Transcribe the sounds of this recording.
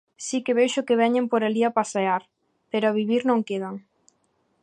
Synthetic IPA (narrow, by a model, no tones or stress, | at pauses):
sikeβejʃʊkeβɛɲempoɾaliapaseaɾ | peɾʊaβiβiɾnõŋkeðaŋ